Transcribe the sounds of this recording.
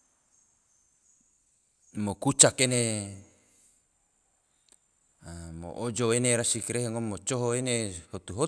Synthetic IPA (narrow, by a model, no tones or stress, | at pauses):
mokut͡ʃakene | amo̰ʔod͡ʒoweneɾasikɾeɦeŋomːot͡ʃoɦoenehot̪uɦo